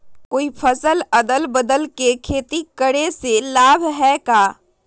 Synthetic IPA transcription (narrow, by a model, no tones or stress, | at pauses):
koːipʰəsəlɐd̪əlbəd̪əlkekʰeːt̪ikəɽeselaːbʱɦɛkaː